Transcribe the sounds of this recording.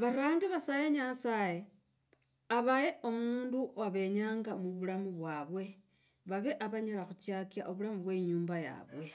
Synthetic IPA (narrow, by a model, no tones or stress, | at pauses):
βaɾaːŋɡiβasaje̞ɲasaje | aβaje̞omuːnduaβe̞ɲaːŋɡamuβulamuβwaːβwe̞ | βaβe̞ʔaβaɲalaxut͡ʃjakjaʔoβulamuβwe̞ːɲuːmbaja̰βwe̞